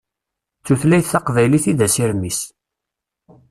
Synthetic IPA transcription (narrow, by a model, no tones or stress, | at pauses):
t͡sːuθlæjθθæqvæjliθiðæsiɾmis